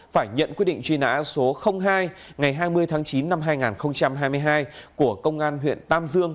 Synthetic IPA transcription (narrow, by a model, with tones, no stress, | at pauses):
faː˧˩jɲə̰˧˨nkwi˧˥ɗḭ˧˨ŋ̟t͡ɕwi˧na̰ː˧˥so˨˦xə˧wŋ͡mɦaː˧jŋa˨˩jɦaː˧jmɨ˧əjt̪ʰaː˨˦ŋt͡ɕi˨˦nːa˧mɦaː˧jŋaː˨˩nxə˧wŋ͡mt͡ɕa˧mɦaː˧jm˧əjɦaː˧jku˧˩əkə˧wŋ͡mʔaː˧nɦwḭ˧˨nt̪aː˧mzɨ˧əŋ